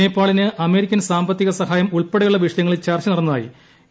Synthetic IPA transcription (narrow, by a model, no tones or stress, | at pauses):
eːpːaːɭinɨʔɐme̞ːɾikʲːɐnsaːmbɐt̪ːiɣɐsɐɦaːjɐmuɭpeɽɐjuɭːɐʋiʂɐjɐŋːɐɭilt͡ɕɐrt͡ɕːɐnɐrɐnːɐðaːjḭ